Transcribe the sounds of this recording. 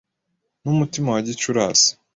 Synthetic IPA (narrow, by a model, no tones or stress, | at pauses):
numutimawaɟit͡ʃuɾaːsi̥